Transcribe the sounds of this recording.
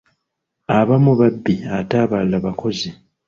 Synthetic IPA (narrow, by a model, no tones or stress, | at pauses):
aβamuβabːiataβalːaβakʰo̞zi